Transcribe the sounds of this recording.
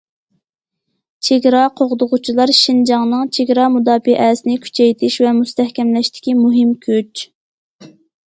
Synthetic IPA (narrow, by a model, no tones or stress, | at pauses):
t͡ʃʰeɡʲɾɑqʰoʁʊd̪ʊʁʊt͡ʃʰilˠɑɾʃind͡ʒɑŋnɨŋt͡ʃʰeɡʲɾɑmud̪ɑːpɪʔɛsɪnɪkʲʰy̥t͡ʃʰɛjt̪ʰɪʃvɛmust̪ɛhkʲɛmlɛʃt̪ʰɪ̥kʲimuɦɪmkʲʰøt͡ʃ